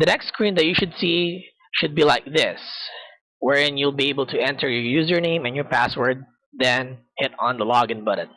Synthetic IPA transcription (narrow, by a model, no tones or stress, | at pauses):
ðɨnɛkstskɹĩnðɨt͡ʃjɨʃʊdsi | ʃʊd̚bilaɪk̚ðɪs | wɛɹɪ̃njulˠbieɪbəl̩ˠtʰɨɛ̃ntʰə˞jɨjʉzjɔ˞nẽɪ̃mɨ̃njɔ˞pæswə˞d̪̚ | ðɛ̃n | hɪɾn̩ðəlɑɡɨ̃nbʊɾɨ̰t̪̚